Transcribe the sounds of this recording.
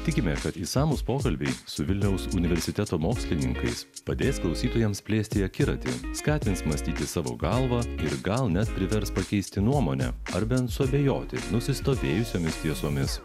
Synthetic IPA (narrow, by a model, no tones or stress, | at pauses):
t̪ʲɪkʲɪmʲɛkɐt̪isɑːmuspoːkɐlʲbʲɛɪsʊʋʲɪlʲnʲɛʊsʊnʲɪʋʲɛɾʲsʲɪt̪ʲɛt̪oːmoːksʲlʲɪnʲɪŋkɐɪspɐd̪ʲeːsklˠɐʊsʲiːt̪oːjɛmspʲlʲeːsʲt̪ʲɪɐkʲɪɾɐt̪ʲɪ̰skɑːt̪ʲɪnt̪smɐsʲt̪ʲiːt̪ʲɪsɑːʋo̰ːɡɐlˠʋɑːɪɾɡɐlˠnʲɛt̪pʲɾʲɪʋʲɛɾspɐkʲɛɪsʲt̪ʲɪnuɔmoːnʲɛ̰ɐɾbʲɛnt̪sʊɐbʲejo̰ːt̪ʲɪnʊsʲɪst̪oːʋʲeːjʊsʲoːmʲɪst̪ʲiɛsoːmʲɪs